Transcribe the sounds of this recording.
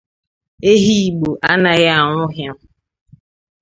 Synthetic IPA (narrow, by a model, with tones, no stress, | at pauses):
e˦ɦi˦˨ɡ͡bo˨ʔa˦na˨ɣɪ˦a˨ŋʷʊ˦ɦja˦